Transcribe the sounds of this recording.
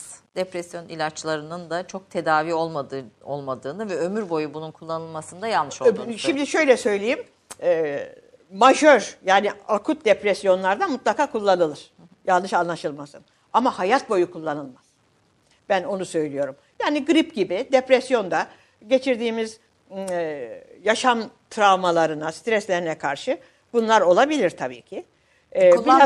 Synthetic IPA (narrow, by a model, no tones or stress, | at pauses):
d̪̥epɾɛsjo̞nilʲat͡ʃlˠaɾɯnɯnd̪at͡ʃʰo̞k̚t̪ʰe̞d̪aːviːo̞lˠo̞lˠmad̪ɯːnɯvɛømyɾbo̞jubununkʰulˠːanɯlˠmasɯnd̪ajalˠnɯʃoʃimd̪iʃø̞jlʲɛsø̞jlʲejim | ɛː | maʒøɾjaːniakʰut̪̚d̪epɾɛsjo̞nlˠaɾd̪amut̪lˠakʰaːkʰulˠːanɯlˠɯɾ̥ | jalˠnɯʃanlˠaʃɯlˠmasɯn | amahajat̪̚bo̞jukʰulˠːanɯlˠmaz̥ | b̥æno̞nusø̞jlʲijo̞ɾumjaːniɡɯɾipɟibid̪epɾɛsjo̞nd̪a | ɟe̞t͡ʃʰiɾd̪iːmiz | jaʃamt̪ʰɾavmalˠaɾɯnast̪ɾɛslʲeɾinɛkʰaɾʃɯ | b̥unlˠaɾo̞lˠabilʲiɾt̪ʰabḭːcʰɪ | ba